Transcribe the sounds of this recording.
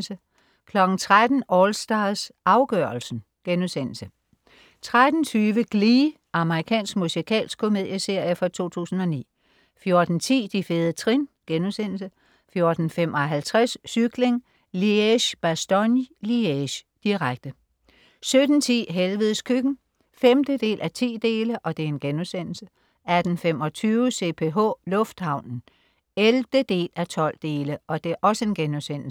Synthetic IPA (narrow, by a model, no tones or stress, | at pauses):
sə | kʰlɒ̽ɡ̥n̩t͡sʰʁad̥n̩ʔɒlsd̥ɑ̈ðˠsʔɑ̈ʊɡ̥œɐ̰l̩sn̩ | ɡ̥enusen̰l̩sə | t͡sʰʁad̥n̩t͡sʰyːʋəɡ̥liː | ʔɑ̈məʁikʰɛ̰ːnsɡ̥musikʰɛ̰ːls̚kʰo̝me̝ð̞̰ˠjəse̝ɐ̰jəfɒ̽t͡sʰo̝̰ːt͡sʰṵːsn̩ɒ̽nḭː | fjo̝ɐd̥n̩t͡sʰḭːd̥ifeːð̞ˠət͡sʰʁinɡ̥enusen̰l̩sə | fjo̝ːɐd̥n̩femʔɒ̽ɦælt͡sʰʁasːyɡ̥le̝ŋ | lieɕb̥æsd̥ɒnlieɕd̥iʁaɡ̥̚d̥ə | sød̥n̩t͡sʰḭːɦelʋəð̩ˠskʰyɡ̥n̩ | femd̥əd̥e̝̰ːlʔæt͡sʰḭːd̥e̝ːləʔɒ̽d̥e̝e̝nɡ̥enusen̰l̩sə | æd̥n̩fem̰ɒ̽t͡sʰyːʊəse̝ːpʰe̝ɦɔ̰ːlɔ̽fd̥hɑ̈ʊ̰nn̩ | elʋd̥əd̥e̝̰ːlæt͡sʰɒ̽l̰d̥e̝ːləʔɒ̽d̥e̝æɐʔɒ̽səe̝nɡ̥enusen̰l̩s